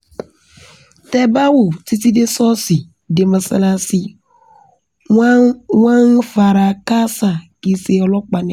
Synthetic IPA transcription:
tɛ˦ba˦wu˨ti˦ti˦de˦sɔ˦si˨ | de˨mə˨sa̰˨la˨si˨˦ | wã˦ŋ˦fa˨ɾa˨ka˦sa˨ki˨se˨ɔ˨lɔ˦k͡pa˨ni˨˦˨

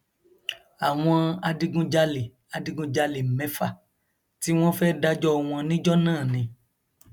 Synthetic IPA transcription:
a˨w̃ɔ̃˧a˧di˧ɡũ˧d͡ʒa˧li˨ | a˨di˧ɡũ˧d͡ʒa˧li˨mɛ̃˨˦fa˦˨ | ti˦w̃ɔ̃˦fɛː˦da˧d͡ʒɔ˦˧w̃ɔ̃˧nĩ˦d͡ʒɔ˦nãː˦˨nĩ˧

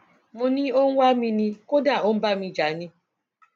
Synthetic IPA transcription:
mʊ̃˦nĩ˦o˦ŋ̩˦wʷa˦mĩ˧nĩ˦ko˦da˦˨o˦m̩˦ba˦˨mi˧d͡ʒa˨˦nĩ˦

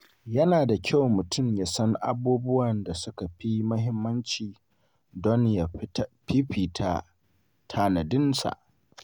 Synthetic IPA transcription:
jɐ˦naː˨da˨kʲʰa˦˨wmʊ˨tʰʊ˦˨mjaː˨sɐ˦ŋʔa̰˦buː˦bʊ˦wɐ˨nda˨sʊ˦ka˨ɸi˦mʊ˦hɪ˦mːɐ˦nt͡ʃiː˨ | dɔ˦nja˨ɸi˦ɸiː˨tʰa˦ | tʰaː˨nɐ˨dɪ˦nsa̰˨ʔ

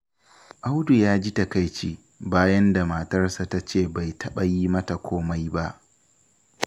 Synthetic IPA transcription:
ʔa˦wdu˨jaː˦d͡ʒi˦tɐ˨ka˦jt͡ʃiː˦ | baː˦jɐ˦nda˨maː˨tɐ˦rsa˨ta˦t͡ʃeː˦˨ba˨jtʰɐ˦ɓa˨jiː˦mɐ˦ta˨kʷʰoː˦ma˦jba˦ʔ

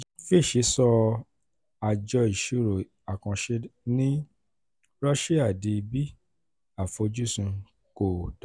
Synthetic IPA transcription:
fe˦˨ʃe˨˦sɔ˧ | a˨d͡ʒɔ˧i˨ʃu˦˨ɾo˨ | a˨kã˧ʃe˦nĩ˦ | ɾɔ˦ʃe˦a˦˨di˧bi˦ | a˦˨fo˧d͡ʒu˦sũ˧ | ko˨da˨

